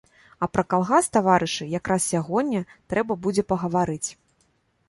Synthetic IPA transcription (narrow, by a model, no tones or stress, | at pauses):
ɐpɾɐkalˠɣast̪avaɾɨʂɨjakɾassʲaɣɔnʲːɐt̪ɾɛbɐbud͡zʲɛpɐɣɐvaɾɨt͡sʲ